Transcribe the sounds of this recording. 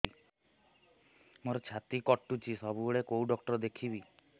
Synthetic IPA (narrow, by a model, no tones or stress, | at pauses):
moɾɔt͡ʃʰat̪ikɔʈːut͡ʃʰisɔbuboɭekowɖɔkʈɔɾɔd̪ekʰibi